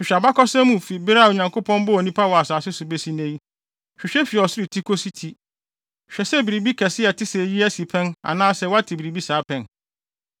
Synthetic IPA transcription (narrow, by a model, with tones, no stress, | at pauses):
ʃᶣɪ˨ɕᶣa˨ba˦kʰɔ˦sɛ˦mũ˨fi˨bɪ˦ɾa˦˨o˨ɲã˨ŋko˦pʰɔ̃˦n˦bʊ˦ɔ˨nĩ˦pʰa˦wɔ˨a˨saː˨sɪ˦sʊ˨be˦si˦nɛ̃˦ji˦ | ɕᶣɪ˨ɕᶣɛ˦fi˨ɔ˨sɪ˦ɾi˨tʰi˦kʰo˦si˦tʰi˨ | ɕᶣɛ˨sɛ˦bi˨ɾi˨bi˦kʰɛ˨sɪ˦ɛ˨tʰɪ˦sɛ˨ji˦æ˦si˨pʰɛ̃˦na̰˨nãː˦sɛ˦wa˦tʰɪ˨bi˨ɾi˨bi˦saː˨˦pʰɛ̃˨n